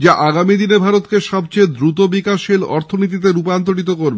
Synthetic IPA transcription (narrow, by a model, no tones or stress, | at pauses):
d͡ʑaʔaɡamid̪inebʱaɾot̪keʃɔb̚t͡ɕejd̪ɾut̪obikaʃilɔ̰ɾt̪ʰonit̪̬it̪̬eɾupant̪oɽit̪̬okoɾbe